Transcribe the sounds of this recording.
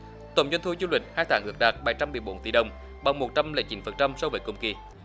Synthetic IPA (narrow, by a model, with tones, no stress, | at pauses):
t̪ə̰˨˩wŋ͡mzwɛ˧jnt̪ʰu˧zu˧lwï˨˩ŋ̟haː˧jt̪ʰaː˨˦ʔɨ̰˨˥ək̚ɗaː˨˩t̚ɓaː˧˩˦jt͡ɕa˧mːɨ˨˩əjɓo˨˦nt̪i˧˩ɗə˨˩wŋ͡m | ɓa̰˨˧˩ŋŋ͡mmo˨˩t̚t͡ɕa˧mlḛ˧˦t͡ɕḭ˨˦nfə˨˩nt͡ɕa˧msɔ˧wvəː˨˦jkʊ̰˨˧˩wŋ͡mki˨˩